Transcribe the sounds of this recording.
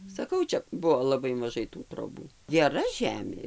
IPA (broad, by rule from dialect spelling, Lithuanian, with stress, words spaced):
sɐˈkɐʊ ˈt͡ʃʲɛ ˈbʊʋoː lˠɐˈbɐɪ mɐˈʒɐɪ tuː troːˈbuː ɡʲɛˈrɐ ˈʒʲæːmʲeː